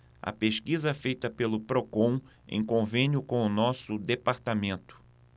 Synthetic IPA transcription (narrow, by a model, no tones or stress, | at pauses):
ɐ̰peʃkizɐɛfejt̪ɐpelʊpɾokõw̃ | ḛ̃j̃kõvẽnjʊkõw̃ʊnɔsʊd̪epaɾt̪amẽnt̪ʊ̥